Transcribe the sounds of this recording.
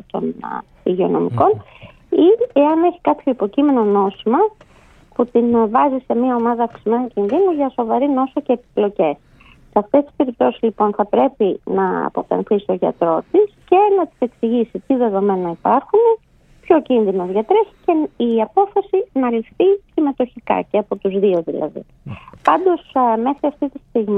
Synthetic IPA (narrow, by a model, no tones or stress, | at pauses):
t̪o̞̰n | iʝeo̞no̞̰miko̞n | ieɐne̞çi̥kɐpço̞ipo̞cime̞no̞no̞simɐ | put̪invɐzise̞miɐo̞mɐðɐːfksime̞nucinðinuʝɐso̞vɐɾino̞sɐce̞ːpi̥plo̞ce̞s | seɐft̪e̞st̪i̥spe̞ɾip̚t̪o̞sizlipo̞nθɐpɾe̞pinɐɐ̰po̞t̪ɐ̰nθist̪o̞ʝɐ̰t̪ɾo̞t̪isce̞nɐt̪i̥se̞ksiʝisit̪iðe̞ðo̞me̞nɐipɐɾxune | pço̞cinðino̞zðʝɐt̪ɾeçi̥ce̞iɐpo̞fɐsinɐlifθisime̞t̪o̞çikɐ̰ceɐpo̞t̪uzðio̞ðilɐ̰ðḭ | pɐnd̪o̞sme̞xɾiɐft̪it̪ist̪iɣmi